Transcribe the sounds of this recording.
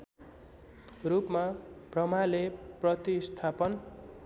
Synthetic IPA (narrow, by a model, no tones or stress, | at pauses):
rupmabrʌmaleprʌt̪ist̪ʰapʌn